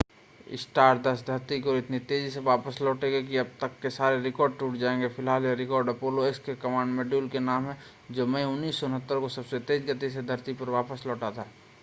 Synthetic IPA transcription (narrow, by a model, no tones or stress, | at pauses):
ɪ̰sʈaːʈ̚d̪ɐsd̪ʱɐɾt̪ikoɔːɾɪt̪nit̪eːd͡ʒiseʋaːpəslɔːʈẽːɡek̬iɐb̚t̪əkːesaːɾeɾɪkɔːɾɖ̚ʈuːʈd͡ʒaːẽŋɡepʰɪlɦaːljaɾɪkɔːɾɖɐpoːloekskekɐmãːɳɖmeɖjuːlkenaːmɦɛ̃ | d͡ʒoːmɛĩʊnːiːsːɔʊnɦət̪ːəɾkosɐbset̪eːd͡ʒɡɐt̪es̬ed̪ʱɐɾt̪ipɐɾʋaːpəslɔːʈat̪aɛ